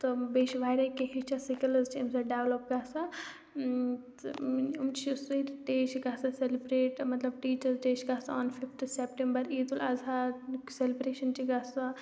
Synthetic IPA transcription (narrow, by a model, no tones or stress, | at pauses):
t̪ɔbeːʃʋaːɾɐkeɦit͡ʃʰasikɐlɐzt͡ʃʰimsɐɖeʋlop̚ɡaːsa | t̪umt͡ʃʰiusɐiʈeːʃɡaːsaselibɾeːʈmɐt̪lɐbʈiːt͡ʃɐɾzʈeːʃɡaːsaɔːnfifʰt̪ʰsepʈẽmbɐɾiːd̪ulazaselibɾeːʃɐnt͡ʃiɡasa